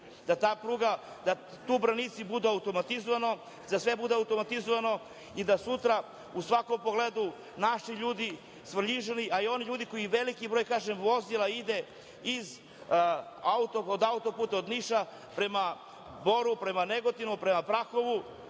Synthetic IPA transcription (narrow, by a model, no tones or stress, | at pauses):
d̪̥at̪aːpɾuːɡa | d̪a | t̪uːbɾanit̪sibud̪uaut̪o̞mat̪izoʋano̞ | d̪asʋe̞bud̪eaut̪o̞mat̪izoʋano̞ | id̪asut̪ɾa | usʋako̞mpoɡled̪u | naʃiʎuːd̪i | sʋrʎiʒeniʔaio̞niʎuːd̪iko̞jiʋe̞likibɾojkaːʒemʋo̞zilˠaid̪e̞ | iz | aut̪ood̪aut̪opuːt̪aod̪niʃa | pɾe̞ma | bo̞ɾupɾe̞maneɡo̞t̪inupɾe̞mapɾaxo̞ʋu